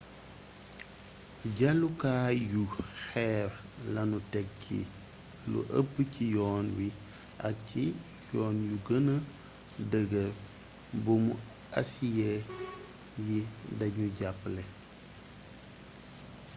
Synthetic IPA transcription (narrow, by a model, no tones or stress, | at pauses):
ɟɐlːukaːjuxɛːɾlɐnutɛk̚cʰḭ | lṵʔə̰bəcijɔːnwi | ʔɐk̚ci | jɔːnjuɡənɐ | dəɡə | bumu | ɐ̰sijɛ | jidɐɲuɟapːlɛ